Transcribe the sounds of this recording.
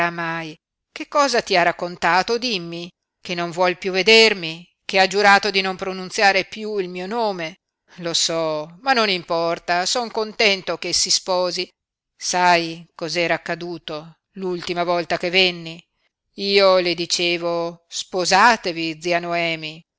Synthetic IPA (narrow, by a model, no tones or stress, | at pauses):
amːaj | kekːɔːzat̪iarakːont̪aːt̪od̪imːi | kenːoɱvwɔlpjuved̪ermi | kead͡ʒuɾaːt̪od̪inompɾonunt̪sjaːɾepjuilmiːonoːme | losɔmanːonimpɔrt̪asɔŋkont̪ɛnt̪okesispɔːzi | sajkɔzɛːɾaːkːad̪uːt̪o | lult̪imavɔlt̪akevenːi | iːoled̪it͡ʃeːvospozaːt̪evid̪zianoɛːmi